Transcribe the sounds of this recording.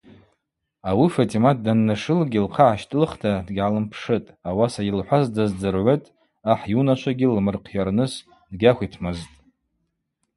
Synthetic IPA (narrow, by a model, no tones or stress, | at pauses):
awifatʼimat̚ʰdanːaʂɨlɡʲilqʰaʕaʃtʼɨlχtʰadɡʲʕalɨmpʰʂɨtʼawasajilħʷazdazd͡zɨrʕʷetʼ | aħjunaʃʷʰaɡʲilmɨrqʰjarnɨs | dɡʲakʷitʰmɨztʼ